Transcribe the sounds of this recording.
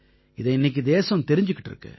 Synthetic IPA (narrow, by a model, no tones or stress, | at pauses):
ɪðɐɪnːɪk̬ʲːid̪eːsɐ̃mt̪ɛɾɪɲd͡ʒɯkːɪ̥ʈːɪɾɯ̰kːɯ̰